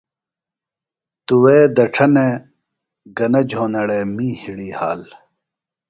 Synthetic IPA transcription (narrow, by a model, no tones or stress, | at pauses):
t̪uweːd̪ɐʈ͡ʂʰɐne | ɡɐnɐd͡ʑʱoːnɐɽeːmĩːhiɽiːhaːl